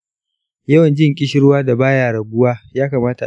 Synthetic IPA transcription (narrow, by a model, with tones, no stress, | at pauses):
jɐ˦wɐ˨nd͡ʒɪ˦ŋkʲʼɪ˦ʃɪ˦ɽwaː˦da˨baː˦jaː˨ɾɐ˨bʊ˦waː˦jaː˦kaː˨maː˦ta˨